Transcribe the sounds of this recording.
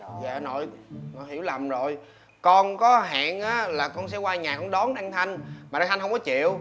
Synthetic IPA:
va̰ː˧˨no̰˧˨jno̰˨˧˨jhi˧˩əwla˨˩mzo˨˩j | kɔ˧nkɔ˨˦ɦa̰ː˧˨nʔaː˨˦laː˨˩kɔ˧nsɛ̰˧˥kwaː˧ɲaː˨˩kɔ˧˥˦ɗɔ˨˦nɗa˧ŋt̪ʰa˧jŋ̟maː˨˩a˧ŋt̪ʰŋ̟hə˧wŋ͡mkɔ˨˦t͡ɕḭ˧˨əw

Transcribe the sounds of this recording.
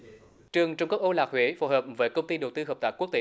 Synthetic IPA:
t͡ɕɨ˨˩əŋt͡ɕwŋ͡mkk̚ʔo˧laː˨˩k̚hwe˨˦fo˧˦ɦəː˨˩p̚vəː˨˦jkə˧wŋ͡mt̪i˧ɗo˨˩wt̪ɨ˧ɦəː˨˩p̚t̪aː˨˩ku˦˥ək̚t̪e˧˦

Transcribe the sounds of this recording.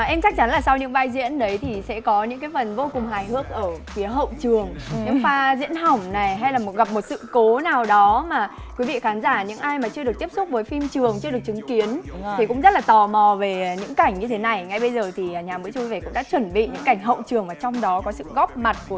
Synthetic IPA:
ʔɛ˧mt͡ɕa˦˥k̚t͡ɕa˨˦nlaː˨˩sa˧wɲɨ̰˧˥ŋvaː˧jzḭ˧˥ənɗə˨˦jt̪ʰi˨˩sɛ̰˧˥kɔ˨˦ɲɨ̰˧˥ŋkaː˨˦jfə˨˩nvo˧kʊ˨˩ŋ͡mɦaː˨˩jɦɨ˦˥ək̚ʔəː˧˩fi˨˦əɦə̰˧˨wt͡ɕɨ˨˩əŋɲɨ̰˧˥ŋfaː˧zḭ˧˥ənɦa˨˩wŋ͡mna˨˩jɦa˧jlaː˨˩mo˨˩t̚ɣa˨˩p̚mo˨˩t̚sɨ̰˧˨ko˨˦naː˨˩wɗɔ˨˦maː˨˩ | kwi˨˦vḭ˧˨xaː˨˦nzaː˧˩ɲɨ̰˧˥ŋʔaː˧jmaː˨˩t͡ɕɨ˧ɗɨ˨˩ək̚t̪i˦˥əpsʊ˦˥k͡p̚vəː˨˦jfi˧mt͡ɕɨ˨˩əŋt͡ɕɨ˧əɗək̚t͡ɕɨ˨˦ŋki˨˦əntʰi˨˩kʊ̰˧˥ŋ͡mzt̚laː˨˩t̪ɔ˨˩mɔ˨˩ve˨˩ɲɨ̰˧˥ŋka˧˩jŋ̟ɲɨ˧t̪ʰe˨˦na˨˩jŋa˧jɓə˧jzəː˨˩t̪ʰi˨˩˨ɲaː˨˩mɨ̰˧˥jt͡ɕu˧jve˧˨˩kʊ̰˧˥ŋ͡mɗa̰ː˧˥t͡ɕwə˧˩nɓḭ˧˨ɲɨ̰˧˥ŋkːa˧˩jŋ̟ɦə̰˧˨wt͡ɕɨ˨˩əŋmaː˨˩t͡ɕɔ˧wŋ͡mɗɔ˨˦kɔ˨˦sɨ̰˧˨ɣɔ˦˥p̚ma˨˩t̚ku˧˩

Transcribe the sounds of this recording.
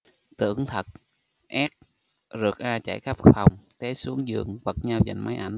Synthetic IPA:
t̪ɨ̰˧˩˨əŋt̪ʰə˨˩t̚ | ʔɛ˦˥k̚ | zɨ˨˩ək̚ʔaː˧t͡ɕa̰˧˩jxə˦˥p̚xfa˨˩wŋ͡mt̪e˨˦˥su˨˦əŋzɨ̰˧˨əŋvə˨˩k̚ɲa˧wza̰˧˨jŋ̟ma˨˦jʔa˧˩jŋ̟

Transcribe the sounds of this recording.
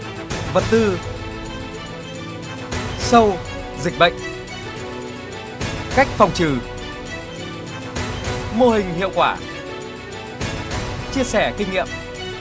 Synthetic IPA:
və˨˩t̚t̪ɨ˧ | sə˧w | zï˨˩k̟̚ɓə̰˧˨jŋ̟ | ka˦˥jk̟̚fɔ˨˩wŋ͡mt͡ɕɨ˨˩ | mo˧hï˨˩ŋ̟hḭ˧˨əwkwaː˧˩ | t͡ɕi˧əsɛ˧˩kï˧ŋ̟ɲḭ˧˨əm

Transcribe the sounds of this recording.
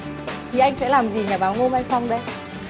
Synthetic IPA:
t̪ʰi˨˩ʔa˧jŋ̟sɛ̰˧˥laː˨˩mzi˨˩ɲaː˨˩ɓaː˨˦wŋo˧ma˧jŋsa˧wŋ͡mɗə˧j

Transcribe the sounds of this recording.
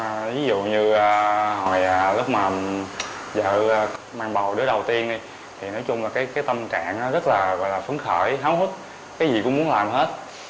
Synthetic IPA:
vi˨˦zṵ˧˨ɲɨ˧aː˧hɔ˨˩jaː˨˩lʊ˦˥k͡p̚maː˨˩ | zə̰ː˧˨˧maː˧ŋɓə˨˩wɗɨ˨˦əɗə˨˩wt̪i˧ənɗi˧ | t̪ʰi˨˩nɔ˨˦jt͡ɕʊ˧ŋ͡mlaː˨˩kaː˨˦jkaː˨˦jt̪ə˧mka̰ː˧˨nʔaː˨˦zə˦˥t̚laː˨˩ɣɔ̰˧˨jlaː˨˩fə˨˦ŋxəː˧˩jɦaː˨˦whu˦˥t̚ | kaː˨˦jzi˨˩kʊ̰˧˥ŋ͡mmu˨˦ənlaː˨˩mɦe˦˥t̚

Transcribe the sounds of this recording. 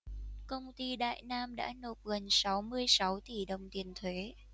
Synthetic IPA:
kə˧wŋ͡mt̪i˧ɗa̰ː˧˨jnaː˧mɗa̰ː˧˥no˨˩p̚ɣə˨˩nsa˨˦wmɨ˧əjsa˨˦wt̪i˧˩ɗə˨˩wŋ͡mt̪i˨˩ənt̪ʰwe˨˦

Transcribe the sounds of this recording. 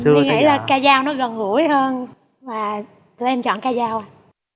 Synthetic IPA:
ŋə̰˧˩jlaː˨˩kaː˧zaː˧wnɔ˨˦ɣə˨˩nhu˧˩˦jhəː˧n | vaː˨˩ | t̪u˧jʔɛ˧mt͡ɕɔ̰˧˨nkaː˧zaː˧w

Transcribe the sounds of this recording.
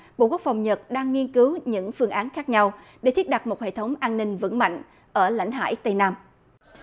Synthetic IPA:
ɓo̰˧˨ku˦˥ək̚fa˨˩wŋ͡mɲə˨˩t̚ɗaː˧ŋːi˧ənkɨ˨˦wɲɨ̰˧˥ŋfɨ˧əŋʔaː˨˦nxaː˦˥k̚ɲa˧wɗe˧˩t̪ʰi˦˥ət̚ɗa˨˩t̚mo˨˩hḛ˧˨t̪ʰə˨˦wŋ͡mʔaː˧nːï˧ŋ̟və̰˧˥nma̰˧˨jŋ̟ | ʔəː˧˩la̰˧˥˨jŋ̟ɦa̰ː˧˥˨jt̪ə˧jnaː˧m

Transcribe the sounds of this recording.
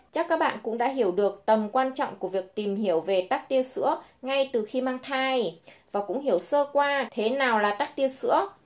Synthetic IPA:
t͡ɕa˦˥kːaː˦˥k̚ɓa̰ː˧˨nkʊ̰˧˥ŋ͡mɗa̰ː˧˥ɦi˧˩əwɗɨ˨˩ək̚t̪ə˨˩mkwaː˧nt͡ɕɔ̰˧˨ŋ͡mku˧˩əvi˨˩ək̚t̪i˨˩mhi˧˩əwve˨˩t̪aː˦˥k̚t̪i˧əsɨ̰˧˥əŋa˧jt̪ɨ˨˩xi˧maː˧ŋt̪ʰaː˧jvaː˨˩kʊ̰˧˥ŋ͡mhi˧˩əwsəː˧kwaː˧t̪ʰe˨˦naː˨˩wlaː˨˩t̪aː˦˥k̚t̪i˧əsɨ̰˧˥ə

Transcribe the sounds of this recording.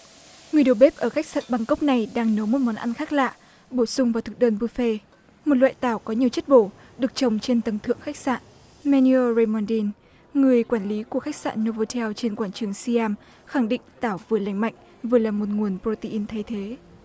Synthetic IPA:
ŋɨ˨˩əjɗo˨˩ɓe˦˥p̚ʔəː˧˩xa˦˥k̟̚sə̰˧˨t̚ɓa˧ŋkə˦˥wk͡p̚na˨˩jɗaː˧ŋnə˨˦wmo˨˩t̚mɔ˨˦nʔa˧nxaː˦˥k̚la̰ː˧˨ | ɓo˧˩sʊ˧ŋ͡mvaː˨˩wt̪ʰɨ˨˩k̚ɗəː˧npɨ˧fe˧ | mo˨˩t̚lwa̰ː˧˨jt̪aː˧˩wkɔ˨˦ɲi˨˩əwt͡ɕə˦˥t̚ɓo˧˩ | ɗɨ˨˩ək̚t͡ɕə˨˩wŋ͡mt͡ɕe˧nt̪ə˨˦nt̪ʰɨ̰˧˨əŋxa˦˥k̚sa̰ː˧˨n | mɛ˧ni˧o˧ɹe˧jmɔ˧nɗi˧n | ŋɨ˨˩əjkwaː˧˩nli˨˦ku˧˩əxa˦˥k̟̚sa̰ː˧˨nːo˧vo˧t̪ʰɛ˧wt͡ɕe˧nkwaː˧˩nt͡ɕɨ˨˦əŋsi˧aː˧m | xa˧˩ŋɗḭ˧˨ŋ̟t̪aː˧˩wvɨ˨˩la˧˩jŋ̟ma̰˧˨jŋ̟ | vɨ˨˩əlaː˨˩mo˨˩t̚ŋu˨˩ənpɾo˧t̪i˧ʔi˧nt̪ʰa˧jt̪ʰe˨˦

